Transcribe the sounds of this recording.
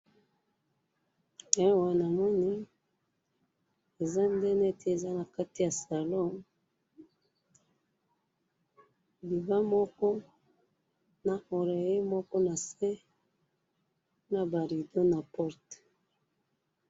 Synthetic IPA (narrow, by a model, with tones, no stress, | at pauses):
ɛ˦wa˨na˨mɔ˦ni˦ | e˨za˦ndɛ˦nɛ˦tʰe˦e˨za˦na˨ka˦ti˦ja˨sa˨lɔ˦m | bi˨ba˦mɔ˦kɔ˦ | na˨mo˨ɾe˨ji˦mɔ˦kɔ˦na˨sɛ˦ | na˨ba˨ɾi˨do˦na˨pɔ˦t